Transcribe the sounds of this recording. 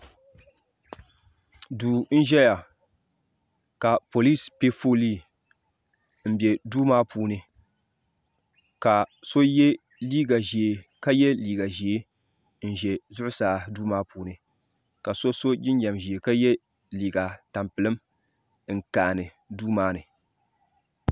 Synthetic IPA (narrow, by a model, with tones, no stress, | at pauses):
duː˨n̩˦ʒɛ˦ja˨ | ka˨po˨li˦spe˦fo˦liː˦˨ | m̩˦bɛ˨duː˦maː˦puː˦nɨ˨ | ka˨so˦jɛ˦ | liː˦ɡa˨ʒi˨e˨ka˦jɛ˦liː˨ɡa˨ʒi˨e˦ | n̩˦ʒɛ˨zʊ˦ʔʊ˦saː˨˦duː˦maː˦puː˨nɨ˨ | ka˨so˦so˦d͡ʒɪ˦ɲ˦ɲa˨mʒi˨e˨ka˦jɛ˦ | liː˨ɡa˨ta˨mpɨ˨lɨ˦m | ŋ̩˨ka˨nɨ˨ | duː˦maː˦nɨ˨